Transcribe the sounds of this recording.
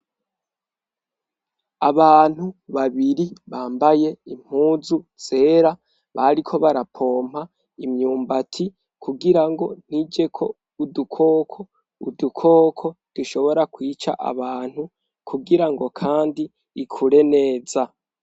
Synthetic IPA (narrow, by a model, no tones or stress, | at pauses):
a̰βaːn̥huβaβiɾiβaːmbaje̞im̥huːzuz̥e̞ːɾa | βaɾikʰo̞βaɾapʰo̞ːm̥a | imɲuːmbatʰi | kʰuɡiɾaŋɡo̞n̥id͡ʒe̞kʰo̞ | udukʰo̞ːkʰo̞ | udukʰo̞ːkʰo̞d̥uʃo̞βo̞ɾakwiːt͡ʃa̰ʔa̰βaːn̥hu | kʰuɡiɾaŋɡo̞kʰaːndiː | kʰuɾe̞ne̞ːza